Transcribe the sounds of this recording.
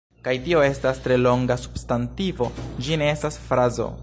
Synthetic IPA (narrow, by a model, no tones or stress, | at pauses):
kajtio̞e̞stastɾe̞lo̞ŋɡasu̥bstantivo̞d͡ʒine̞e̞stasfɾazo̞̰